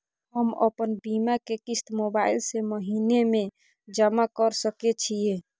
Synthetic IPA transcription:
ɦəmə̰pənbimakekist̪mobailseməɦineme | d͡ʒəmakəɾsəkɛt͡ʃʰije

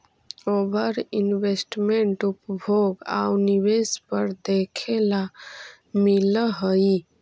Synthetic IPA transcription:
obʱəɾinbesʈmeɳʈupbʱoɡa̰uniβespəɾd̪ekʰela | miləɦəi

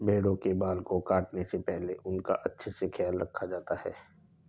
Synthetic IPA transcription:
bʱeːɽõkebaːlkokaːʈnesepɛɦleʔʊnka̰ʔɐtːʃʰsekʰjaːlɾɐ̰kʰːad͡ʒaːt̪ahɛ̰ː

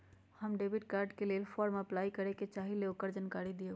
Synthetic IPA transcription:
həmɖebiʈ̚kaɾɖkelelpʰɔɾməplaikəɾeket͡ʃaɦileokːəɾd͡ʒankaɾid̪ie

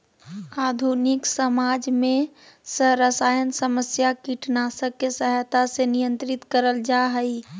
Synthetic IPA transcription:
aːd̪ʱunɪksəmaːd͡ʒmẽ | səɦɾəsaːjənsəməsjakiʈnasəkːesəɦt̪asenijə̃nt̪ɾɪt̪kəɾəld͡ʒaɦəi

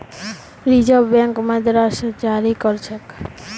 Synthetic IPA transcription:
ɾid͡ʒabɛŋkmad̪ɾaʃd͡ʒaɾikɔɾt͡ʃʰek

